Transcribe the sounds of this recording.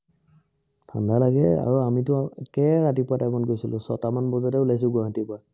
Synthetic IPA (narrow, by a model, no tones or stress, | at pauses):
dʰandalaɡɛ̰a̰ɹuamitʊkɛɹatipʊatajmɔnɡojsilʊ̃sɔ̰tamanbɔzatɛulajs̬ʊɡɔɦatipʊa